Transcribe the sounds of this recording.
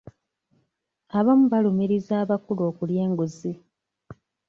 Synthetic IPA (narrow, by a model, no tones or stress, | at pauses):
aβamuβalumiɾizaːβakulo̞ːkulje̞ːŋɡuzi